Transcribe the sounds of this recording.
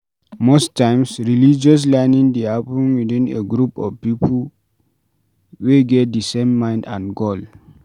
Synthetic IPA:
mostãɪ̃msɹilid͡ʒɔs̬lɛnĩŋdeapĩnwidĩnḛɡɹupɔ̰vpipʰəl | weɡɛt̚disẽmːãɪ̃ndãnɡol

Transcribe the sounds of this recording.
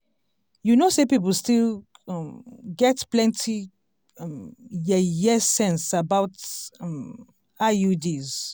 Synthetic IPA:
junosepip̬əl̩stil | ɡɛtplɛ̃ntʰi | jɛjɛsɛ̃nsabaʊt | ajudiz

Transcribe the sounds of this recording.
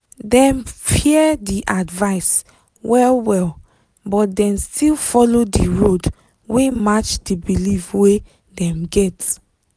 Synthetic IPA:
dɛ̃mfiɛdiʔadvaɪs | wɛlwɛl | bɔtdɛ̃nstʰilfɔlodiɹod | wemat͡ʃd̥ibilivwe | dɛ̃mɡɛt

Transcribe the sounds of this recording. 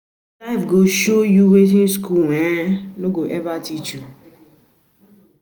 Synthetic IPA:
lafɡoʃojuwet̬inskuwenoɡoʔɛvatit͡ʃu

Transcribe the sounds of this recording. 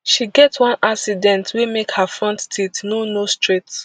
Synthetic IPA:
ʃiɡɛtwɔ̃nʔaksidɛ̃ntʰwemekhafɹɔ̃nttitnonostɹet

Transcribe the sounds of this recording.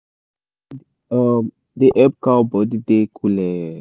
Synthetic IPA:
m | d̪eʔɛb̚kabɔd̪id̪ekʰulɛ

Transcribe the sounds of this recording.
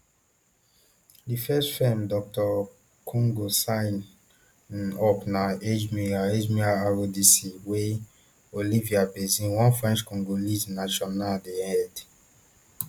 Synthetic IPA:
difɛstfɛmdɔk̚tɔ | kʰɔ̃ŋɡosãɪn | ɔpnaed͡ʒmiaed͡ʒmiaaɹodisiwe | oliviabɛzĩnwɔ̃nfɹɛ̃nt͡ʃkɔ̃ŋɡolisnaʃɔnadeɛd

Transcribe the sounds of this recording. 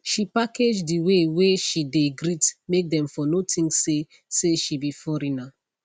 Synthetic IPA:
ʃipaked͡ʒdiweweʃideɡɾitmek̚dɛ̃mfɔnotʰĩŋse | seʃibifɔɾina

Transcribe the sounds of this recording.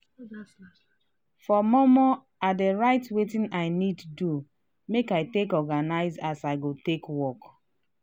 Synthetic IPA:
fɔmɔmɔ | adeɹaɪtwetĩnaɪniddu | mekaɪtekɔɡanaɪzasaɪɡotekwɔk

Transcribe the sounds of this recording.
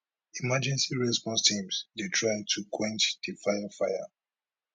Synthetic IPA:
imad͡ʒɛ̃nsiɹɛspɔ̃nstʰĩmsditʰɹaɪ̃tʰukʰwɛ̃nt͡ʃdifajafajə̰

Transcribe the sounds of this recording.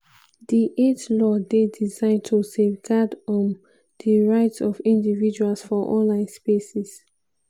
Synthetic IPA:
diʔetlɔdedizãɪ̃ntʰusevɡadɔ̃n | diɹaɪtsɔvĩndivid͡ʒualsfɔʔɔ̰̃nlãɪ̃nspesis

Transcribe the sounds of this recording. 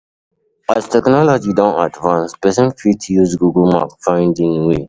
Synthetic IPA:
astʰɛknɔlɔd͡ʒidɔ̃nta̰dvãnspɛsə̃nfitʰujuzɡuɡəlma̰pfãɪ̃ndĩnwe

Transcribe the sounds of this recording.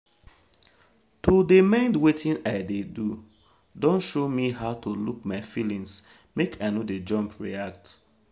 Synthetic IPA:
tʰodemãɪ̃ndwetʰĩnaɪdedu | dɔ̃nʃomiɦaʊtoluk̚maɪfilĩŋs | mekʰaɪnoded͡ʒɔ̃mpʰɹḭak̚t

